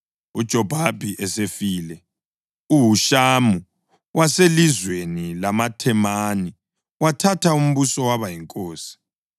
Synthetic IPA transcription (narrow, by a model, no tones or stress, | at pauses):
ud̥ʒ̥ʱɔb̥ʱabʱiʔɛsefiːlɛ | uɦuʃamu | waselizwenilamatʰɛmani | watʰatʰaum̩βusɔwaβajiŋkʼoːsi̥